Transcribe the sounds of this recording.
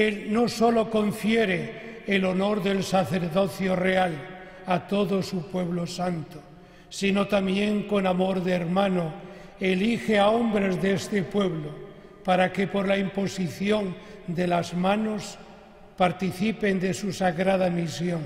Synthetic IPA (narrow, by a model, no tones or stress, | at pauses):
elnoso̞lo̞ko̞ɱfjeɾeːlo̞no̞ɾðe̞lsaθeɾðo̞θjoreal | at̪oðosupwe̞βlosant̪o̥ | sino̞t̪amje̞ŋko̞namoɾðːɾmãno | elixeaombɾezðeest̪epwe̞βlo | paɾakepoɾlaimpo̞siθjond̪e̞lazmanos | paɾt̪iθipend̪e̞susaɣɾað̞amisjoŋ